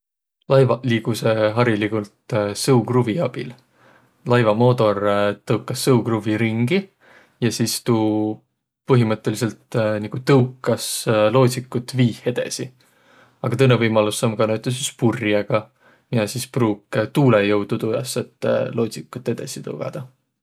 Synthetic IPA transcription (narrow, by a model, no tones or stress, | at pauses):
lɑjvɑliːɡuse̞ɦɑɾilikult̪sɤukruviɑb̥il | lɑjvɑmo̞ːt̪o̞rt̪ɤwkːˑɑsːɤwkruviɾiŋɡi | jɑsist̪uː | pɤɦimɤt̪ˑːe̞lise̞lt̪niɡ̥ut̪ɤwkːˑɑslo̞ːt̪ʲsikːˑut̪ːviːhe̞d̪̥e̞̰si | ɑɡ̥ɑt̪ɤnːevɤjmɑlusːɑmɡ̥ɑnæɥt̪ːˑesispurjɑɡ̥ɑ | miɑsispruːkt̪uːlejɤwd̪̥ut̪ujɑ̰sːet̪ːˑlo̞ːt̪ʲsikːˑut̪ːˑe̞d̪̥esit̪ɤ̰wɡ̥ɑ̰d̪̥ɑ